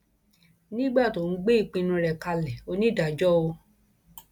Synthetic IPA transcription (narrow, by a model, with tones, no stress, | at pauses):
nĩ˦ɡ͡ba˦˨to˨n̩˦ɡ͡be˦i˦˨k͡pĩ˧nũ˧ɾɛ˨ka˧lɛ˨o˧nĩ˦da˨d͡ʒɔ˦o˧